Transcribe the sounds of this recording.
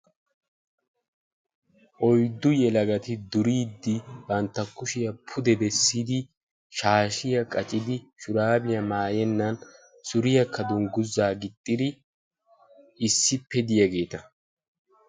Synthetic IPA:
ʔɔjd̪ːʊjɛlɐɡɐt̪ɪd̪ʊɾiːd̪ːɪbɐnt̪ːɐkːʊʃɪjɐpʰʊd̪ɛd̪ɛsːid̪ɪ | ʃaːʃɪjɐkʼɐt͡ʃʼɪd̪ɪʃʊɾaːbɪjɐmaːjɛnːɐn | sʊɾɪjɐkʰːɐd̪ʊŋɡʊzːaːɡɪt̪ʼːɪd̪ɪ | ɪsːɪpːɛd̪ɪjɐɡe̞ːt̪ɐ

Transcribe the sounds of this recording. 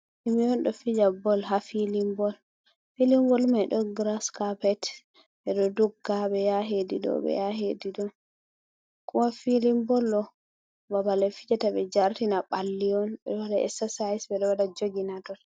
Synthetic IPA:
ʔimijɔnɗɔfid͡ʒabɔlɦafilimbɔl | filimbɔlmajɗɔɡɾaskapɛt | ɓɛɗɔdɔɡːaɓɛjaɦediɗɔ̰ɓɛ̰jaɦediɗɔn | kuwafilimbɔlɗɔ | babalɛfid͡ʒatabɛd͡ʒaɾtinaɓalːiɔnbɛ̰ɗɔwadaʔɛ̰sasaisbɛɗɔwadad͡ʒoɡinatɔt

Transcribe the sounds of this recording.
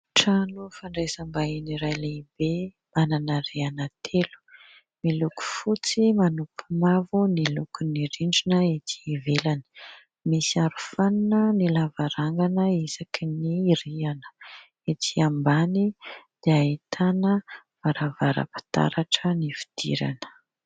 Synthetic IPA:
ʈ͡ʂanufaɳɖ͡ʐesambainiɾajleibe | mananəɾeanat̪ʰelu̥ | miluku̥fut͡simanupʰumavunilukuniɾiɳɖ͡ʐinəit̪ʰi̥velani̥ | misiaɾufaninənilavaɾaŋɡanəizakʰiniɾianə̥ | et̪ʰiambanid̪̥eaɦit̪ʰanəvaɾavaɾa̰pi̥t̪a̰ɾaʈ͡ʂənifi̥d̪̥ḭɾa̰nə̥

